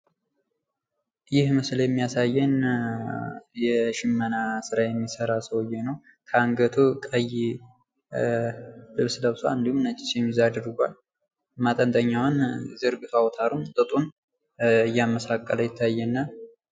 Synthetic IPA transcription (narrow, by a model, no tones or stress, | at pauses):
jɪhmɨsljɛmːijasajːɛn | jɛʃɪmːənasɨɾajɛmːisəɾasəwɨjːɛnəw | kʰəaŋɡət̪ʰukʼəj | lɨβsləβsoɨnd̪ihumnət͡ʃːɪ̥sjɛmːizad̪ɨɾɡʷal | mat̪ʼənt̪ʼəɲːawanzɨɾɡɨfawɔt̪ʰaɾumt̪ʼɨt̪ʼun | ɨjːaməsakʼːələjɪt̪ʰːajːɛnːa